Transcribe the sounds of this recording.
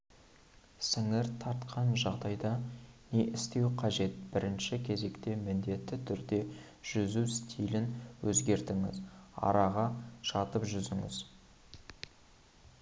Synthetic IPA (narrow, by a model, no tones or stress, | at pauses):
sɪŋɪɾt̪ʰɑɾt̪qʰɑnʒɑʁd̪ɑjd̪ɑne̞ʔɪst̪e̞wqʰɑʒe̞t̪̚bɪɾɪnʃɪkʲʰe̞ze̞kt̪e̞mɪnd̪e̞t̪ːɪt̪ʰʏɾd̪e̞ | ʒ̥ʏzust̪ʰijlɪnwɵzɡʲe̞ɾt̪ɪŋɪ̰zɑ̰ɾɑʁɑʒɑt̪əpʒʏzɪŋɪ̰z